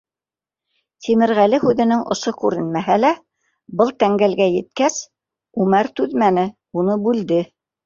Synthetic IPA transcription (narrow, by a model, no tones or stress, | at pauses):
t̪ʰimɘ̆ɾʁælɘhʉðɘ̆nɘŋʔŏʃokʉɾɘ̆nmæɦælæ | bɤlˠt̪æŋɡælɡæjɘ̆t̪̚kæs | ʉmæɾt̪ʉðmænɘ | unɤbʉld̪ɘ